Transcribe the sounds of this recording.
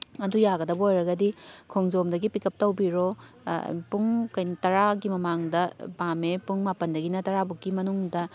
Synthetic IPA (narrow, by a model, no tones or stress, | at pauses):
ɐdujaɡɐdɐbɐojɾɐɡɐdikʰoŋzomdɐɡipikʰɐp̚tɐwbiɾo̰ | puŋkɐjnɐtɐɾaɡimɐmaŋdɐbamepuŋmapɐndɐɡinɐtɐɾabukːimɐnuŋdɐ